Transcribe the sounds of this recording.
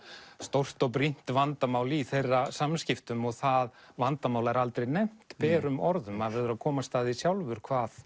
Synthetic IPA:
st̪owr̥t̪ɔɣp̬ɾin̥t̪vant̪amaːwliθejrːasamscɪft̪ʏmɔɣθaðvant̪amaːwlaɛɾalt̪ɾejnejm̥t̪pɛːɾʏmɔɾðʏmaðvɛɾðʏɾakʰɔːmast̪aːðisjawlvʏɾ̥kʰvaːθ

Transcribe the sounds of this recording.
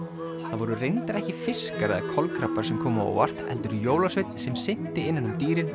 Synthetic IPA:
θaðvɔɾʏrejnt̪aɾɛhcɪfɪskaɾɪðakʰɔlkʰɾapːaɾsɛmkʰɔːmao̰wa̰r̥t̪ɛ̰lt̪ʏɾjoːwlasvɪt̪n̥sɛmsɪn̥t̪ɪɪnːanʏmt̪iːɾɪn

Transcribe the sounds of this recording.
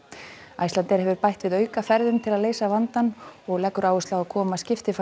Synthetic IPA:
ajslant̪ɛɾ̥hɛvʏɾpajht̪vɪðœːɥkafɛɾðʏmt̪ʰɪlaðleːjsavant̪anɔɣlɛkːʏɾaːwʏst̪lawaðkʰɔːmascɪft̪ɪf

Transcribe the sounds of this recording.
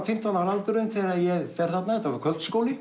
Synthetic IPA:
fɪm̥t̪awnalalt̪ʏɾʏnθɛɾaðjɛɣfɛɾ̥θat̪naɛt̪ːavaɾ̥kʰœlt̪skoːwlɪ

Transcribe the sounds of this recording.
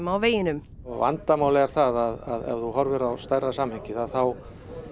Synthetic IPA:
mawveːjɪnʏm | ɔɣva̰nt̪amaːwlɛɣaɾ̥θaðaðaðɛ̰vðuɦɔɾvɪɾawst̪ajrːasaːmhɛɲcɪðaðθaw

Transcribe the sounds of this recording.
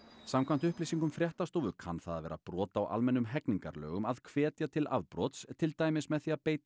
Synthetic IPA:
samkʰvamt̪ʏhplisiŋkʏmfɾjɛht̪ast̪oːwðʏkʰanθaðavɛ̰ːɾa̰pɾɔːt̪aːwʔa̰lmɛnːʏmɦɛkniŋkaɾlœ̰ːɣʏmaðkʰvɛːt̪jat̪ʰɪla̰ðpɾɔt̪st̪ʰɪlt̪aːjmɪsmɛðθiaðpeːjt̪

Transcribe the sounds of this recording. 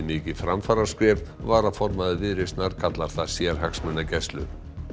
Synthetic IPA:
nɪːcɪfɾamfaːɾḁskvɛɾðvaːɾafɔɾmaðʏvɪðɾɪst̪naɾ̥kʰat̪laɾ̥θasjɛɾ̥ɦaksmɛnːacɛst̪lʏ̰

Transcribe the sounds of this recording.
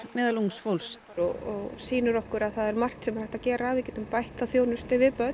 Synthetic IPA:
mɛːðaluŋsfowls | ɔɔɣsiːnʏɾɔhkʏɾaðθaðɛɾmar̥t̪sɛmɾ̥ajht̪acɛːɾavɪðcɛːt̪ʏmpajht̪aθjownʏst̪ɪvɪpœt̪

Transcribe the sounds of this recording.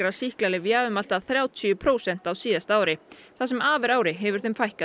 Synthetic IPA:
ɾasihklalɪvjaːʏmal̥t̪aðθɾjaːwt̪ʰʏʏpʰɾoːwsɛn̥t̪awsiːðast̪aːwɾɪθasɛmaːvɛɾaːwɾɪɦɛvʏɾ̥θemfajhka

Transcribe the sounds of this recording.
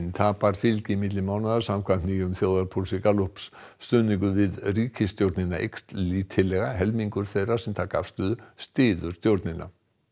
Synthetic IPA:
nt̪ʰaːpaɾ̥fɪlcɪimɪt̪lɪmaːwnaðḁsamkʰannijʏmθjoːwðaɾpʰulsikaluhpsːt̪ʏːniŋkʏvɪðriːcɪst̪jowɾt̪nɪnaʔḛkst̪liːt̪ʰɪlɛɣaɦɛlmiŋkʏɾ̥θejraɾ̥sɛmt̪ʰaka̰fst̪ʏːðʏst̪ɪːðʏɾ̥t̪jowɾt̪nɪna̰

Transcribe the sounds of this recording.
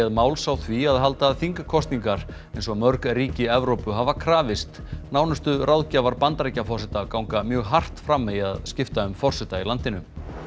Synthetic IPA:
aðmaːwlsawθviaðɦalt̪aːðθiŋkakʰɔst̪niŋkaɾ̥ | ejnsɔɣmœɾkɾiːcɪɛvɾowpʏɦavakʰɾaːvɪst̪ | naːwnʏst̪ʏrʔawðcavaɾpant̪ɾejcafɔr̥sɛt̪akawŋkamjœːɣɦar̥t̪fɾamːɛaðscɪft̪aʏmfɔr̥sɛt̪ailant̪ɪnʏm

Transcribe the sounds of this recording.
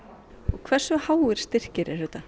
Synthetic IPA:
ɔɣkʰvɛr̥sʏhaːwɪɾ̥st̪ɪr̥cɪɾɛɾ̥ʏːt̪a

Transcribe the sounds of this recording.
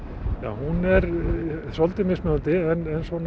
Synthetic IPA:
ja̰ːwhunɛɾsɔlt̪ɪmɪsmœnt̪ɪɛnɛnsɔn

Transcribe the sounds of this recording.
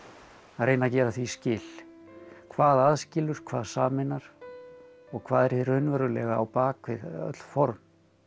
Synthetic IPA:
aðɾeːjnacɛːɾaθviscɪːl | kʰvaːðaðscɪlʏɾ̥kʰvaːðsaːmɪnaɾ̥ | ɔɣkʰvaːðɛɾ̥θɪɾ̥hʏnvœɾʏlɛːɣaawpaːkvɪ̰ðœ̰t̪l̥fɔɾm

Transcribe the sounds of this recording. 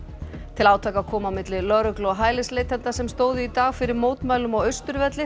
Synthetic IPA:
t̪ʰɪlaːwt̪ʰaːjkakʰɔːmawmɪt̪lɪlœɾʏklɔɦaːjlɪslejt̪hɛnt̪asɛmst̪oːwðʏit̪aːɣfɪɾɪɾmoːwt̪maːɥlʏmɔɣœɥst̪ʏɾvɛt̪lɪ

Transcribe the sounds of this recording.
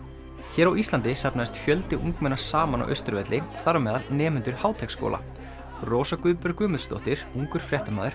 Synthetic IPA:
çɛːɾawist̪lant̪ɪsapnaðɪst̪fjœlt̪ɪʔuŋkmɛnːḁsaːmana̰wʔœ̰ɥst̪ʏɾvɛt̪lɪθaɾʏmɛːðaɾnɛːmʏnt̪ʏɾ̥haːwt̪ʰɛksko̰ːlʔa̰ | roːwsakʏðpɾkʏːmʏðst̪ɔ̰ht̪ɪɾ̥uŋkʏɾ̥fɾjɛht̪amaːðʏɾ̥

